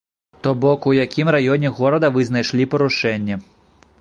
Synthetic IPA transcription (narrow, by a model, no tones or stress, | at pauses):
t̪ɔbɔkujakʲimrajɔnʲɛɣɔɾɐd̪ɐvɨznajʂlʲipɐɾuʂɛnʲːɐ